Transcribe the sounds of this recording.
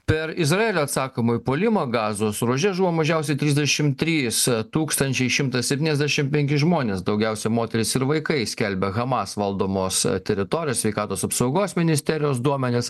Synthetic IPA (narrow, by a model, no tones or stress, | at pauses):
pʲɛɾɪzɾɐeːlʲoːɐt̪sɑːkoːmoːjpoːlʲɪmoːɡɑːzoːsɾuːʒʲɛʒuʋoːmɐʒʲɛʊsʲɛɪt̪ʲɾʲiːzd̪ʲɛʃʲɪmt̪ʲɾʲiːst̪uːkst̪ɐnʲt͡ʃʲɛɪʃʲɪmt̪ɐssʲɛpʲt̪ʲiːnɛzʲd̪ʲæʃʲɪmpʲɛŋʲkʲɪʒmoːnʲeːsd̪ɐʊɡʲɛʊsʲɛmoːt̪ʲɛɾʲɪsɪɾʋɐɪkɐɪsʲkʲɛlʲbʲɛɣɐmɑsʋɐlˠd̪oːmoːst̪ʲɛɾʲɪt̪oːɾʲɪjosʲʋʲɛɪkɑːt̪oːsɐpsɐʊɡoːsmʲɪnʲɪsʲt̪ʲɛɾʲɪjoːs̬d̪uɔmʲɛnʲɪs